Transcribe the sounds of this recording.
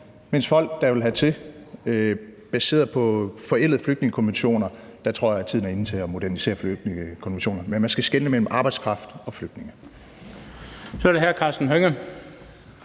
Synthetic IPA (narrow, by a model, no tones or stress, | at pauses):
mensfɒ̽l̰ɡ̥d̥ɑ̈ʋe̝lɦæt͡sʰe̝øb̥æse̝̰ːɐpʰɒ̽fɒ̽el̰ð̩ˠfløɡ̥̚ne̝ŋəkʰɒ̽nʋenɕo̝̰ːnɐd̥ɑ̈t͡sʰʁo̝ɐ̰jɑæt͡sʰiðˠn̩æɐe̝n̩t͡sʰe̝ɒmo̝d̥æɐnise̝̰ːɐflø̥ekʰɒ̽nʋenɕo̝̰ːnɐmenmænsɡ̥æsɡ̥enəmel̰m̩ʔɑ̈ːb̥ɑ̈ɪd̥skʰʁɑ̈fd̥ɒ̽fløɡ̥d̥ne̝ŋə | sɒɾeɦæɐkʰɑ̈ːsd̥n̩ɦøŋə